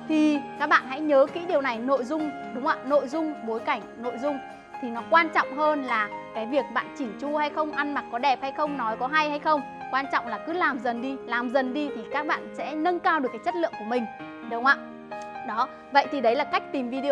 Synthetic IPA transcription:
t̪ʰi˨˩kaː˦˥k̚ɓa̰ː˧˨nha̰˧˥jɲəː˨˦kḭ˧˥ɗi˨˩əwna˨˩jno̰˧˨jzʊ˧ŋ͡m | ɗʊ˨˦ŋ͡mʔa̰ː˧˩no̰˧˨jzʊ˧ŋ͡mɓo˨˦jka˧˩jŋ̟no̰˧˨jzʊ˧ŋ͡m | t̪ʰi˨˩nɔ˨˦kwaː˧nt͡ɕɔ̰˧˨wŋ͡mɦəː˧nlaː˨˩kaː˨˦jvi˨˩ək̚ɓa̰ː˧˨nt͡ɕi˧˩t͡ɕu˧ha˧jxə˧wŋ͡mʔa˧nma˨˩t̚kɔ˨˦ɗɛ˨˩p̚ha˧jxə˧wŋ͡mnɔ˨˦jkɔ˨˦ɦa˧jha˧jxə˧wŋ͡m | kwaː˧nt͡ɕɔ̰˧˨wŋ͡mlaː˨˩kɨ˨˦laː˨˩mzə˨˩nɗi˧laː˨˩mzə˨˩nɗi˧t̪ʰi˨˩kaː˦˥k̚ɓa̰ː˧˨nsɛ̰˧˥nə˧nkaː˧wɗɨ˨˩əkːaː˨˦jt͡ɕə˦˥t̚lɨ̰˧˨əŋku˧˩mï˨˩ŋ̟ | ɗə˨˦ŋ͡mʔa̰ː˧˨ | ɗɔ˨˦ | və̰˧˨jt̪ʰi˨˩ɗə˨˦jlaː˨˩ka˦˥k̚t̪i˨˩mvi˧ɗi˧

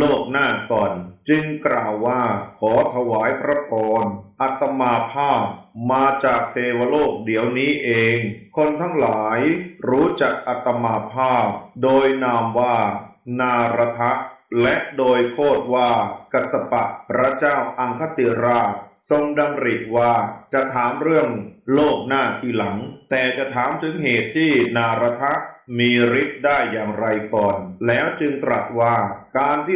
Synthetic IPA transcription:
loː˥˩k̚naː˥˩kɔː˨˩nt͡ɕɯ˧ŋklaː˨˩wːaː˥˩kʰɔː˩˦t̪ʰa˧waː˩˦jpʰɾa˦˥pʰɔː˧nʔa˨˩t̪ːa˧maː˧pʰaː˥˩p̚maː˧t͡ɕaː˨˩k̚t̪ʰeː˧wa˧loː˥˩k̚di˩˦əwniː˦˥ʔeː˧ŋkʰo˧nt̪ʰa˦˥ŋlaː˩˦jɾuː˦˥t͡ɕa˨˩k̚ʔa˨˩t̪ːa˧maː˧pʰaː˥˩p̚doː˧jnaː˧mwaː˥˩naː˧ɾa˧t̪ʰa˦˥ʔlɛ˦˥ʔdoː˧jk̪ʰoː˥˩t̪̚waː˥˩ka˨˩sa˧pa˨˩ʔpʰɾa˦˥t͡ɕaː˥˩wʔa˧ŋkʰa˦˥t̪i˨˧˩ɾaː˥˩so˧ŋda˧ŋɾi˨˩k̚waː˥˩t͡ɕa˨˩ʔt̪ʰaː˩˦mɾɯ˥˩əŋloː˥˩k̚naː˥˩t̪ʰiː˥˩la˩˦ŋt̪ɛː˨˩t͡ɕa˨˩ʔt̪ʰaː˨˩˦mt̪ʰɯ˩˦ŋɦeː˨˩t̪ʰːiː˥˩naː˧ɾa˧t̪ʰa˦˥ʔmiː˧ɾi˦˥t̪̚daː˥˩jːaː˨˩ŋɾa˧jkɔː˨˩nlɛː˦˥wt͡ɕɯ˧ŋt̪ɾa˨˩t̪̚waː˥˩kaː˧nt̪ʰiː˥˩

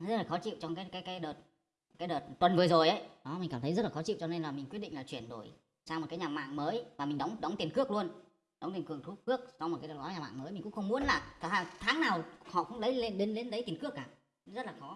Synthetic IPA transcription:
zə˦˥t̚laː˨˩xɔ˨˦t͡ɕḭ˧˨wt͡ɕɔ˧ŋ͡mkaː˨˦jkaː˨˦jkaː˨˦jɗəː˨˩t̚ | kaː˨˦jɗəː˨˩t̚t̪wə˨˩nvɨ˨˩zo˨˩jʔə˨˦jɗɔ˨˦mi˨˩ŋ̟aː˧˩t̪ʰə˨˦jzə˦˥t̚laː˨˩xɔ˨˦t͡ɕḭ˧˨wt͡ɕɔ˧ne˧nlaː˨˩mi˨˩ŋ̟kw̚ɗḭ˧˨laː˨˩t͡ɕwi˧˩ənɗo˧˩j | saː˧m˨˩t̚kːaː˨˦ɲaː˨˩ma̰ː˧˨ŋməː˨˦jvaː˨˩mï˨˩ŋ̟ɗə˨˦wŋ͡mɗə˨˦wŋ͡mt̪i˨˩ənkɨ˦˥ək̚lu˧ən | ɗwŋ͡mt̪i˨˩ŋkɨ˧˩əŋt̪ʰu˦˥p̚kɨ˦˥ək̚sɔ˧wŋ͡mt̚kaː˨˦ə˨˩kɔ˨˦ɲaː˨˩ma̰ː˧˨ŋməː˨˦jmi̟˨˩kʊ̰˧˥ŋ͡mxə˧wŋ͡mmu˨˦ənlaː˨˩t̪ʰːaː˨˧˩t̪ʰaː˨˦ŋnaː˨˩whɔ̰˧˨kʊ̰˧˥ŋ͡mɗə˨˦jle˧nɗe˧˦nle˨˦nɗə˨˦jt̪i˨˩ənkɨ˦˥əkːaː˧˩ | zə˦˥t̚laː˨˩xɔ˨˦

